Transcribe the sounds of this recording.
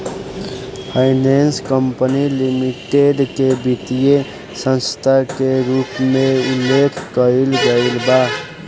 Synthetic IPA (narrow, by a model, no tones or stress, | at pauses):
pʰaɪnenskəmpənilimiʈeɖkebʱit̪ije | sə̃nst̪ʰakeɾupmeulːekʰkəilɡəilba